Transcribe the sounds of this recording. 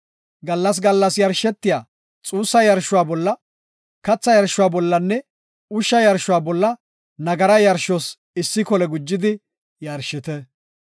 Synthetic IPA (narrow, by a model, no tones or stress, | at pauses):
ɡɐlːɐs̬ɡɐlːɐsjɐɾʃɛt̪ːɪjaː | t͡sʼuːsːɐjɐɾʃːʊwaːbɔlːɐ | kɐt͡sːɐjɐɾʃːʊwaːbɔlːɐnːɛ | ʊʃːɐjɐɾʃʊwaːbɔlːɐ | nɐɡɐɾɐjɐɾʃɔs | ɪsːɪkɔlɛɡʊd͡ʒːɪd̪ɪ | jɐɾʃɪt̪ɛ